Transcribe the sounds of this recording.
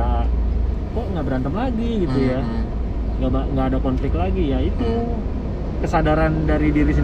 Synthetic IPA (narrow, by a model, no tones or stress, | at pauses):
a | kɔʔŋɡabəɾant̪əmlaɡiɡit̪uja | ŋɡabaʔŋɡaːdakɔnflɪk̚t̪laɡijait̪u | kəsadaɾandaɾidiɾis̬i